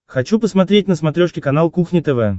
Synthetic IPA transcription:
xɐt͡ɕupəsmɐt̪ɾʲetʲnəsmɐt̪ɾʲoʂkʲɪkɐnalˠkuxnʲɪt̪ɛvɛ

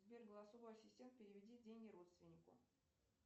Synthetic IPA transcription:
zbʲerɡəlˠɐsovajsʲɪsʲtʲeməpʲɪɾʲɪvʲɪdʲidʲenʲɡʲɪɾo̞t̪st̪vʲɪnʲːɪkʊ̰

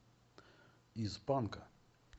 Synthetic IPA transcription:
izbanka

